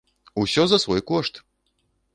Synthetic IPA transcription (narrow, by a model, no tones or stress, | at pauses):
usʲɔzɐsvɔjkɔʂt̪